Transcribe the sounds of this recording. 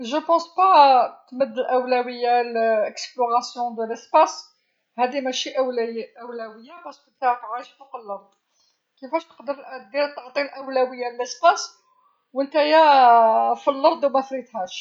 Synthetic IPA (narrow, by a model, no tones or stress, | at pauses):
ʒəpɑ̃spat̪məd̪əlʔəwlæwəjːaləksploʁɑsjɔ̃d̪ələspɑs | hæd̪imæʃiʔæwlʔæwlæwəjːabæʃt̪t̪tihæt̪ʕaʃfuqəlːɑɾˤd̪ | kəfæʃt̪ə̥qd̪əɾəlʔæd̪iɾət̪ːɑʕt̪ˤiəlʔəwlæwəjːalələspɑs | wənt̪æjæ | filːɑɾd̪ˤwmæθɾit̪hæʃ